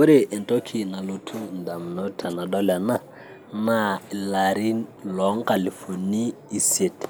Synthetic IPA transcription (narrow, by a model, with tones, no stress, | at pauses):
o˦ɾe˦˨ʔɛ˨ntɔ˦kʰi˨na˨lu˨tʰu˦nda˨m̩˨nɔ˦tʰa˨na˨dɔ˦la˨na˦ | na˦˨la˨ɾi˦nlɔ˨˦ŋka˨li˨fo˨niː˦˨se˨t